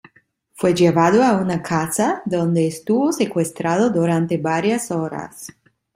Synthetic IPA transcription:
fwed͡ʒeβaðoaunakʰasad̪ond̪eːst̪uβosekwest̪ɾaðod̪uɾant̪ebaɾjasoɾa̰s

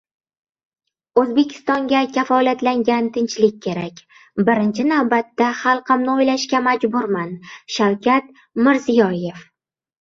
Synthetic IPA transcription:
ɵzbe̞kʲʰɪ̥st̪ɒŋɡʲakʲʰafɒlat̪laŋɡʲant̪ʰɪnt͡ʃlɪk̚ʲːʰe̞ɾakʲ | bɪɾɪnt͡ʃʰɪnawbat̪ːaχɑlˠqʰɨmnɪojlaʃkʲamad͡ʒbʊɾmanʃawkʲat̪ | mɪɾzijɒje̞f

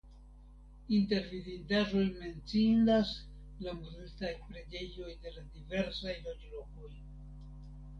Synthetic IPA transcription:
inte̞ɾvivitaʒo̞jme̞nt͡sindas | lamuzustajpɾe̞d͡ʒe̞jo̞jde̞ladive̞ɾsajlod͡ʒlo̞ko̞j

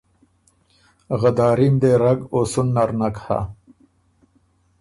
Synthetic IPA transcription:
ɣɐd̪aːɾimd̪eɾɐɡosunːɐɾnɐkha̰

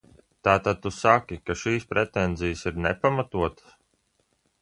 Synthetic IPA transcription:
t̪aːt̪ad̪̚t̪usakʲikaʃiːspɾɛt̪ɛnzijsiɾnɛpamat̪uɔt̪ə̥s

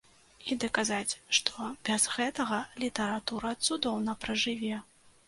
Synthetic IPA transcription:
id̪ɐkazat͡sʲʂt̪ɔbʲazɣɛt̪ɐɣɐlʲit̪ɐɾat̪uɾɐt̪sud̪ɔwnɐpɾɐʐɨvʲɛ

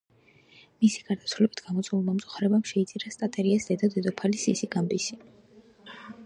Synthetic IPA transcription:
misi̥ɡ̥aɾd̪asʰvulɛbit̪ʰɡ̥amɔt̪sʼulˠmamt̪sʼu̥χaɾɛbamʃɛit̪sʼiɾast̪ʼat̪ʼɛɾiasd̪ɛd̪ɔd̪ɛd̪ɔpʰalisisiɡambisi

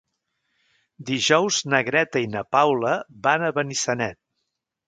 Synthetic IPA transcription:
d̪iʒɔwznəɣɾɛt̪əinəpawləbanəβənisənɛt̪̚

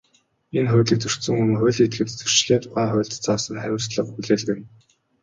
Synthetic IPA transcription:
enχʊːɮĭk̚t͡sɵr̥t̪sɵ̆ŋɵm̆χʊːɮet̪̚ɡɘ̆t̪t͡sɵr̥t͡ɕɮeːt̪paːχʊːɮt̪t͡sʰaːsə̆ŋχæwʲɪ̆r̥sɮə̆χpuɮeːɮ̆ɣɘ̆n

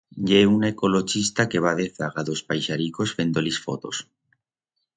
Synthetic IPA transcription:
ʎeunaekoloʃist̪akeβaðeθaɣaðospajʃaɾikosfend̪olisfo̰t̪o̰s

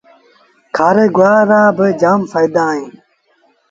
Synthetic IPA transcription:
kʰaːɾeɡwaːɾaːbed͡ʑaːmfɐjd̪aːĩː

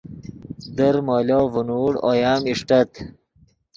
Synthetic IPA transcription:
d̪ɐɾmoːloːvunuːɽo̰jaːmiʂʈɐt̪

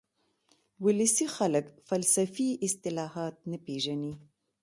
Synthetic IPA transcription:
wʊləsixaləkfalsafiɪst̪ɪlɑhɑt̪̚napeʒani

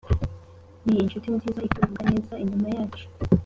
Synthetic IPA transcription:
niinʃutinzizaikuuɡanezaiɲumajaːt͡ʃu̥

